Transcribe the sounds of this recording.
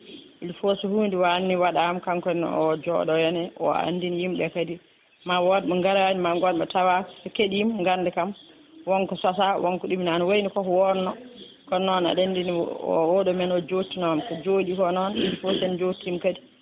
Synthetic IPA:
ʔilfɔsɔhuːndiwanːiwaɗamkaŋkɔn̰ɔd͡ʒɔ̰ɗɔjɛnɛʔɔ̰a̰ndinijimɓɛkadi | mawɔdmɔŋɡaɾaanimaɡɔdmɛtawasɛkeɗimŋɡandɛkam | wɔŋkɔsasawʔɔŋkɔɗumnanawojnikɔkwɔnɔ | kɔnɔna̰ɗendiniɔ̰wɔɗɔmɛnɔd͡ʒotːinɔmkɔd͡ʒoːɗikɔnɔnḭlfosɛnd͡ʒotːiimkadi

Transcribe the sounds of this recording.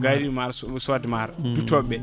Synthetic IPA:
ɡaɾimaɾssadmaɾdutɔbɛ

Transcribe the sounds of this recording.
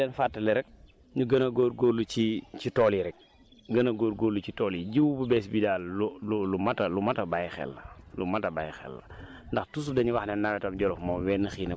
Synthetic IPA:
dɛnfatːɐlɛɾɛk̚ | ɲuɡɐnɐɡoːɾɡoːlut͡ʃicitɔːliɾɛk̚ | ɡɐnɐɡoːɾɡoːɾlːucitɔːliɟiwbəbɛːsbidaːlululumɐtɐlumɐtɐbajxɛ̰lːɐlumɐtɐbajxɛ̰lːɐ̰ | ndɐxtusudɐɲuwaxnɛnːawɛtɐmɟɔlɔfmɔːwɛːnːəxiːnɐ

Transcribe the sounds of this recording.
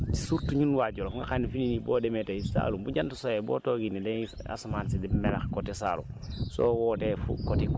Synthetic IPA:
ti̥suɾtuɲunwaɟolofuŋɡakanːufininiboːdemeteisa̰ːlumbuɟantusojebo̰ːtoɡinːide | a̰somaːnsidimelaxkotisa̰lṵso̰ːwoːtefṵkotik

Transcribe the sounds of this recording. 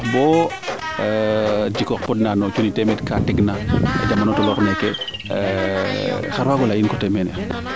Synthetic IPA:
bɔ | d͡ʒikɔk̚pɔdnanɔt͡ʃunitemɛtkatiɡna̰d͡ʒamːanotɔlɔkneke | xaɾwaɡɔlajinkɔtɛmena

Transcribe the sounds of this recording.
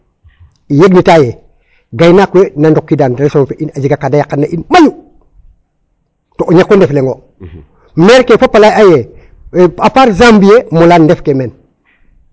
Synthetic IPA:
ijeɡnitaje | ɡajnakwenandokːidaːndelsomfeʔinad͡ʒiɡakadajakːanːaʔinmaju | toʔoɲakːondefleŋɡo | meɾkefapalajaje | apaɾzambijemulaːndefkemen

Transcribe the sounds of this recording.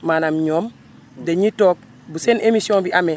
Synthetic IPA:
manamɲoːm | deɲitok̚ | busenʔemisioŋbiʔame

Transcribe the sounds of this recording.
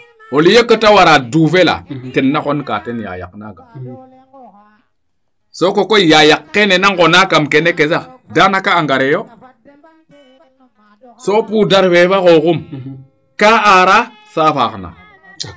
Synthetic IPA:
olijekətawaɾaduːfela̰tenːakonka̰tenja̰ja̰kna̰ɡa | sokokojajakːenenaŋkonakamkenekezadanakaːŋɡaɾejo | sopudaɾfeβakokum | kaaɾa | safa̰kna̰

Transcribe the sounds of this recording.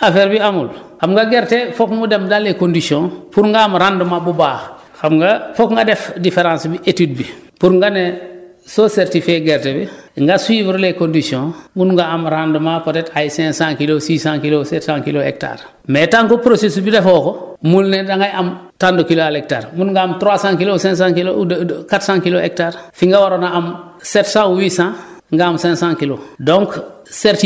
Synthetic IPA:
afeɾbiamulhamŋɡaɡeɾtefokmudemdalːekondisiõpuɾŋɡaːmɾandumabubaːx | xamŋɡafokŋɡadefdifeɾãːnsbiʔetid̚bi | puɾŋɡane | soseɾtifeɡeɾtebiŋɡasuiːvɾlekõndisiõmunŋɡaamɾandumapotetajsɛ̃ŋsãŋkilosiːsãːŋkilosetsãːŋkiloḛk̚ta̰ɾ | metãŋkopɾosesubidefokomulnedaŋɡajam | tandukiloalek̚ta̰ːɾmunuŋɡaːmtɾaːsãŋkilosɛ̃ŋs̬ãŋkilokatsãŋkiloḛk̚taːɾfiŋɡawaɾonaam | setsãuwisãŋɡaːmsɛ̃ŋsãŋkilodõŋk | seɾti

